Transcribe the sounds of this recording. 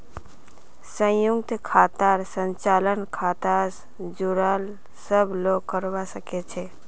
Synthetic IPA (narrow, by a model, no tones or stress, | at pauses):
sə̃jukt̪kʰaːt̪aɾsə̃ɲt͡ʃalənkʰat̪as | d͡ʒuɾal | səbʱloɡkəɾbasəket͡ʃʰe